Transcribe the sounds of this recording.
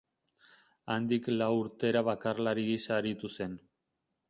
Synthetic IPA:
ajnd̪iklawuɾt̪e̞ɾaβakarlaɾiɣisaɾit̪use̞n

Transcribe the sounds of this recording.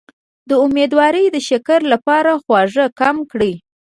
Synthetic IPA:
d̪əumed̪wɑɾəjd̪əʃakaɾlapɑɾaxwɑʐəkamkɽi

